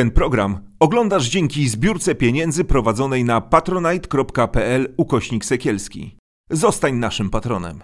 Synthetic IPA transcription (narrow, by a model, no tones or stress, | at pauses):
ɛnpɾɔɡɾam | ɔɡlɔnd̪aʐd͡ʑeŋkʲizbʲjuɾt̪sɛpʲjeɲɛnd̪zɘpɾɔvad̪zɔnɛjnapat̪ɾɔnajt̪kɾɔpkapɛɛlukɔɕɲiksɛkʲɛlskʲḭ | zɔst̪aɲnaʂɘmpat̪ɾɔnɛ̰m